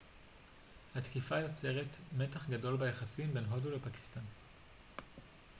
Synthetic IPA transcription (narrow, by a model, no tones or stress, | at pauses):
hatkifajo̞t͡seʁetme̞taχɡado̞lbajaχasimbe̞nɦo̞dulepaki̥stan